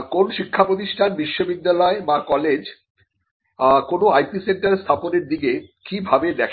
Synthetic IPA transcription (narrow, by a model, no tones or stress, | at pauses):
konʃikʰːapɾot̪̬iʃʈʰanbiʃːobid̪ːalɔebakɔled͡ʑ | konoajpiseɳʈaɾst̪ʰaponeɾd̪iɡekibʱabed̪ɛkʰ